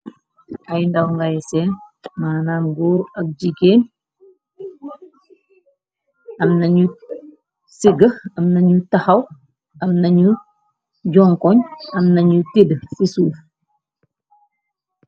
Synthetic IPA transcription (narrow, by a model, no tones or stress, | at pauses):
ɐjndɐwŋɡajsenmaːnaːnɡuːɾɐk̚d͡ʒiɡeːn | ɐmnɐɲu | siɡəɐmnɐɲutahɐw | ɐmnɐɲu | ɟɔŋkɔɲɐmnɐɲutidsisuːf